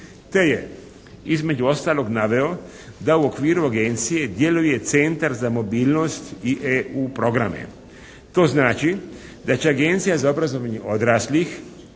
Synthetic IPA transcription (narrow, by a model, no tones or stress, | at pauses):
t̪e̞je | izme̞d͡ʒuo̞st̪aːlˠo̞ɡnaʋe̞o̞ | d̪auo̞kʋiːɾuaɡe̞nt̪sije̞d̪je̞luje̞t̪se̞nt̪aɾzamo̞biːlˠno̞st̪iʔeuːpɾo̞ɡɾamḛ | t̪o̞ːznaːt͡ʃi | d̪at͡ɕeaɡe̞nt̪sijazao̞bɾazo̞ʋaɲeʔo̞d̪ɾaːslix